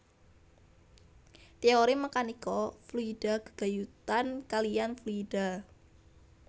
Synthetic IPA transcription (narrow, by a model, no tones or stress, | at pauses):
t̪eoɾimakanikɔfluid̥a̤ɡ̥ə̤̥ɡ̥a̤jut̪ankalijanfluid̥a̤